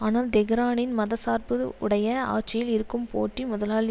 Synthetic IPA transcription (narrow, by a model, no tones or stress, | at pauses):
aːnaːld̪ɛɣɐɾaːnɪnmɐðɐsaːɾpɯ̰ʊ̰ɽɐjɐa̰ːt͡ʃːɐjɪlɪɾɯkːɯmpo̰ːʈrimʊðɐlaːl